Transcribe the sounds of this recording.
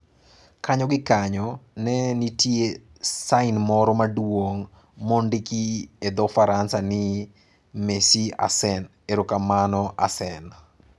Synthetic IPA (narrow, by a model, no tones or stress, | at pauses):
kaɲɔɡɪkaɲɔnɛnitje | saɪnmɔɾɔmadwoŋ | mondɪkied̪ɔfaɾansanɪ | mesia̰sɛn | eɾokamanɔʔa̰sɛn